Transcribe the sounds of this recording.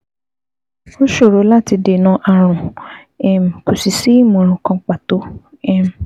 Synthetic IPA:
o˦ʃo˦˨ɾo˨˦la˦˨ti˧de˨nã˧˦ʔa˧˨ɾ̃ũ˨ | ɛ˨m̩˨ku˨si˨si˦mɔ̃˨ɾ̃ũ˨kã˧˦k͡pa˨to˨˦ | ɛ˦˨m˨

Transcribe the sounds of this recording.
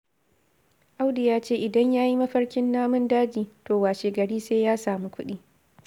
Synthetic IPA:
ʔa˦wdɪ˨jaː˦t͡ʃeː˦ʔɪ˨dɐ˦ɲjaː˦ji˦mɐ˦ɸɐ˦ɽkʲɪ˦nːaː˦mʊ˦ndaː˦d͡ʒiː˨toː˨waː˨ʃeː˨ɡɐ˨ɽiː˦seː˦jaː˦saː˨mi˦kʷʊ˦ɗiː˦

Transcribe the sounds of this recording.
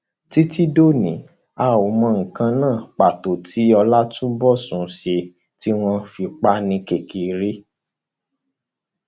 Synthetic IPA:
ti˦ti˦do˦˨nĩ˨˦ | a˦˨o˨˦mɔ̃˧˦ŋ̩˨kã˧nãː˦˨k͡pa˨to˨tʰi˨˦ɔ˧la˦tũ˦bɔ˦˨sũ˨˦ʃe˧ | ti˦w̃ɔ̃˧fi˧k͡pa˦nĩ˧ke˨ki˨ɾi˦

